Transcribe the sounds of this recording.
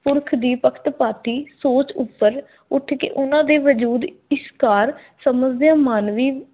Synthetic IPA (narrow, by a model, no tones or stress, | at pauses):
pʊɾkʰd̪iːpəkʰt̪paːt̪iːsoːt͡ʃʊpːəɾ | ʊʈʰkḛːʔʊnãːd̪eːʋəd͡ʒuːd̪ɪskaːɾ | səməd͡ʒd̪ɪjãːmaːnʋiː